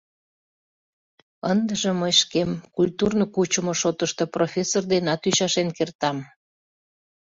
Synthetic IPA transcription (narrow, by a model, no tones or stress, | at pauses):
ənd̪əʒə̆məjʃkemkulʲt̪urnokut͡ɕəmoʃot̪əʃt̪oprofʲesord̪enɑt̪yɕɑʃenkert̪ɑm